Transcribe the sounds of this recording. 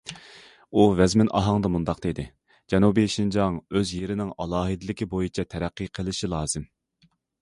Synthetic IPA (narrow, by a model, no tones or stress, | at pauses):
uvɛzmɪnʔɑ̰ɦɑŋd̪ɑmund̪ɑqd̪ed̪ɪ | d͡ʒɛnubiʃind͡ʒɑŋøzjeɾɪnɪŋɑlˠɑːɦɨd̪ɪlɪkʲʰibojit͡ʃʰɛt̪ʰɛɾæqːɨqʰəlˠɪʃilˠɑːz̥ɪm